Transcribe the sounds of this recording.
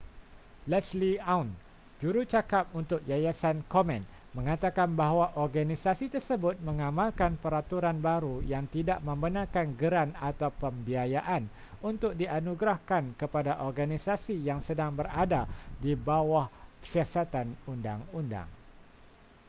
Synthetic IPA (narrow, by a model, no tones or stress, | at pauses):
lɛsliawn | d͡ʒuɾut͡ʃakap̚unt̪ʊk̚jajasankomɛ̃n | mə̃ŋat̪akanbaɦwaʔɔrɡanisasit̪ərsəbʊt̪̚mə̃ŋamalkanpəɾat̪uɾanbaɾujaŋt̪idaʔmə̃mbənãkanɡəɾanat̪awpəmbiajaʔan | unt̪ʊk̚dianuɡɾahkankəpadaʔɔrɡanisasijaŋsədaŋbəradadibawahsiasat̪anunda̰ŋunda̰ŋ